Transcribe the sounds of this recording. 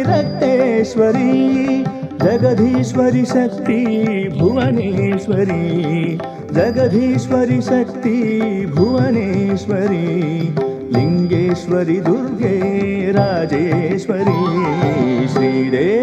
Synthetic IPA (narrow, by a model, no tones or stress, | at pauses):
ɾɐk̚t̪eːʃʋɐɾi | d͡ʒɐɡɐd̪ʱiʃʋɐɾiʃɐk̚t̪ibʱuʋɐneʃʋɐɾi | d͡ʒɐɡɐd̪ʱiʃʋɐɾiʃɐk̚t̪ibʱuʋɐneːʃʋɐɾi | liŋɡeːʃʋɐɾid̪uɾɡeːɾaːd͡ʒeːʃʋɐɾi | ʃɾiːɾeː